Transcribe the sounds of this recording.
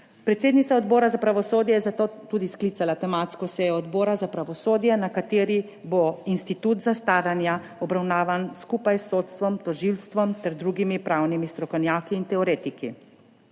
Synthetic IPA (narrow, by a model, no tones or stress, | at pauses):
pɾɛt̪seːd̪nit̪saɔd̪bɔːɾazapɾaʋɔsoːd̪jɛjɛzat̪ot̪uːd̪isklialat̪ɛmaːt̪skɔsɛjɔɔd̪bɔːɾazapɾaʋɔsoːd̪jɛnakat̪eːɾi | boinst̪it̪uːt̪zast̪aːɾanja | ɔbɾawnaːʋanskuːpajsːoːt̪st̪ʋɔmt̪ɔʒilst̪ʋɔmt̪ɛɾd̪ɾuɡimipɾawnimist̪ɾɔkɔwnjaːkiːnt̪ɛɔɾeːt̪ikḭ